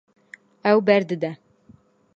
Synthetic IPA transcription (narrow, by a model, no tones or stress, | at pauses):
æwbæɾd̪ɘd̪æ